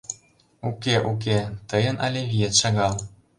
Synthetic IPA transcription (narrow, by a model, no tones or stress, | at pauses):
ukʲeʔuk̬ʲet̪ɤjə̆nʔɑlʲeβʲijet̪ʃɑɣɑlˠ